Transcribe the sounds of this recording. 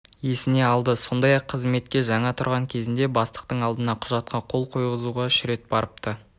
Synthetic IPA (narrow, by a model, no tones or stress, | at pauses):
je̞sɪne̞ɑlˠd̪əso̞nd̪ɑjɑqʰːəzme̞t̪̚kʲe̞ʒɑɴɑt̪ʰʊɾʁɑŋkʲʰe̞zɪnd̪e̞bɑst̪ə̥q̚t̪əɴɑlˠd̪ənɑqʰʊʒɑt̪̚qʰɑqʰo̞lˠqʰo̞jʁəzuʁɑʃɪɾe̞t̪̚bɑɾəp̚t̪ə